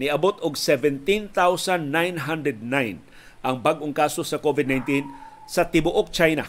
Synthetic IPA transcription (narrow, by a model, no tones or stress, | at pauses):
nɪʔɐbot̪ʊɡ̚sɛvɛnt̪int̪awsanːajnɦand̪ɾɛd̪̚najn | ʔɐŋbaɡʔoŋkaːsosɐkovɪd̪̚najnt̪in | sɐt̪ɪbʊʔok̚t͡ʃajna